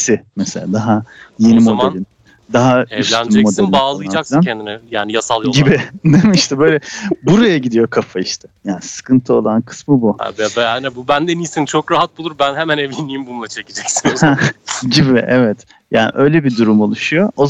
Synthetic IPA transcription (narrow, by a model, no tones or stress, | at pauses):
sɪmɛselʲaːd̪aɦaje̞nimo̞delʲin | d̪aɦayslʲænmɛmo̞d̪elʲaːlˠɯd͡ʒak̪aɛnd̪inɛjaːnijasalˠjɟibɪd̪emiiʃt̪ʰɛbø̞jlʲɛbuɾajaɟid̪ijo̞kʰafaiʃt̪ʰɛjaːnisɯ̥kʰɯnt̪ʰɯo̞lˠankʰɯ̥smɯbuha̰bɛanɛbubænd̪enijsint͡ʃʰokɾaɦat̪̚bulˠuɾbænɦemænevlʲiniːimbulˠmat͡ʃʰecid͡ʒɛcsihɛɟibiʔɛvɛt̪ | jaːnḭʔø̞jlʲebid̪uɾumo̞lˠuʃujo̞oz